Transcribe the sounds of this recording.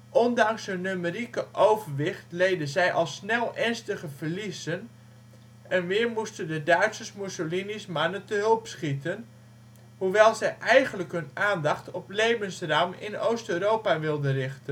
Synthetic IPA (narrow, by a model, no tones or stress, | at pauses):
ʔɔndɑŋsɦønːymərikəʔowvəɹʋɪχtlejdəzɛjʔɑlˠsnɛlˠʔɛɹnstəχəvəɹlisən | ɛnʋɪːɹmustəndədœɥtsəsmusolinismanəntəɦɵlˠpsχitən | huʋɛlˠzɛjʔɛjχənləkɦɵnaːndɑχtɔplejvənsraːmɪ̰nowstøɥɾowpaʋɪlˠdərɪχtən